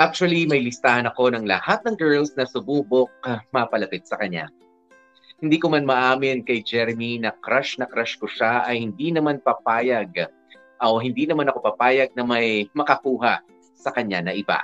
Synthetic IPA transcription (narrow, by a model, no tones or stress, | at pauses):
ʔak̚t͡ʃʊɐlimɐjlɪst̪aːhɐnɐko̞nɐŋlɐ̰hat̪̚nɐŋɡɛɹlsnɐsʊbuːbok̚mɐɐpɐlɐpɪt̪̚sɐkɐɲːa̰ | hɪnd̪iːkomanmɐʔaːmɪnkɐjd͡ʒɛɾminɐkɾaʃnɐkɾaʃkoʃaʔɐjhɪnd̪inɐmanpɐpaːjɐɡ̚ | ʔoɦɪnd̪iːnɐmanɐko̞pɐpaːjɐɡ̚nɐmɐjmɐkɐkuːɦɐ | sɐkɐɲa̰nɐʔɪba̰